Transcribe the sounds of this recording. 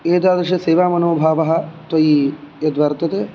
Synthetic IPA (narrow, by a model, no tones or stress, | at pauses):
eːd̪aːd̪ɐʃɐseːʋaːmɐnoːbʱaːʋɐɦɐ̆t̪ʋɐjijɐd̪ʋɐɾt̪ɐt̪e